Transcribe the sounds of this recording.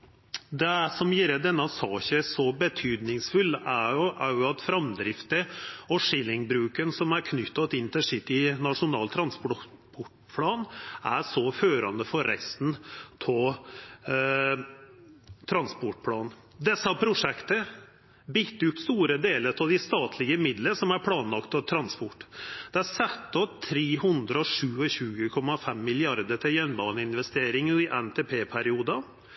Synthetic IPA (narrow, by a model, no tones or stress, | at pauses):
d̪ɛæsɔmjiːɾəd̪ɛnːɑsɑːçəsɔbət̪ʰyːd̪nɪŋsfʉlːæʊʔæɾjʊɑt̪fɾɑmd̪ɾɪft̪əɔʂɪlɪŋbɾʉːkənsɔmæɾkʰnʏt̪ːɑt̪ɪnt̪ʰɪʂɪt̪ːɪnɑʂʊnɑːlt̪ʰɾɑnsppɔʈ | pʰlɑːnæsɔføːɾɑnd̪əfɔɾːɛ̰st̪nt̪ʰɔ | t̪ʰɾɑnspɔʈ̚pʰlɑːn | d̪ɛsːɑpʰɾʊʂɛkt̪ə | bɪt̪ːʉt̪st̪uːɾəd̪eːləɾʰɑʋd̪ɪst̪ɑːt̪ʰlɪɡəmɪd̪ləsɔmæɾpʰlɑːnlɑkt̪ɑt̪ʰɾɑnspɔʈːd̪̥ɛæsɛt̪ːɔt̪ʰɾeːɦʉnd̪ɾəɔʂʉːəɕʉːɡəkʰɔmːɑfɛmːɪlɪɑɾd̪əʈ̪ʰɪljœnbɑːnəɪnʋɛst̪eːɾɪŋːɪʔɛnt̪ʰeːpʰeːpʰæɾɪuːd̪ɑ